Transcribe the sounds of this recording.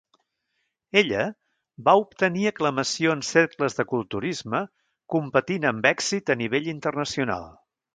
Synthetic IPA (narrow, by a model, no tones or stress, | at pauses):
eʎə | baup̚t̪əniəkləməsioənseɾkləzðəkulˠt̪uɾizmə | kumpət̪inəmbɛksit̪əniβ̞eʎint̪ərnəsiuna̰lˠ